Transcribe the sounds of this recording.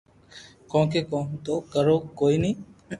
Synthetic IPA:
kɔ̃ːkekõːt̪oːkəɾoːkoːiniː

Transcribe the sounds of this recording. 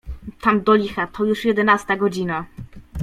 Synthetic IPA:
t̪amd̪ɔlʲixat̪ʰɔjuʂjɛd̪ɛnast̪aɡɔd͡ʑina

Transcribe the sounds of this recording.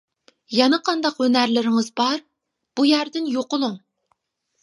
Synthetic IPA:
jɑnɨqʰɑnd̪ɑqønæɾlɪɾɪŋɨzbɑɾ | b̥ujæɾd̪ɪnjoqʊlˠuŋ

